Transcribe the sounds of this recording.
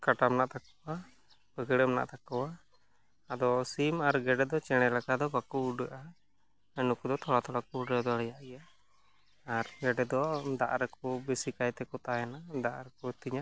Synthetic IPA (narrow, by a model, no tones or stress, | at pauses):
kaʈamnaʔt̪akɔwa | bəɡəɽəmna̰ʔt̪akɔwaː | d̪ɔsimaɾɡɛɖɛd̪ɔt͡ʃɛɽ̃ɛlakad̪ɔbakuuɖəʔa | ənukud̪ɔt̪ʰɔɽat̪ʰɔɽakɔuɖəd̪ɔɽɛjaʔija | aɾɡɛɖɛd̪ɔd̪a̰ʔɾɛkɔbɛsikajt̪ɛkɔt̪ajɛnad̪aʔɾɛkɔt̪iɲa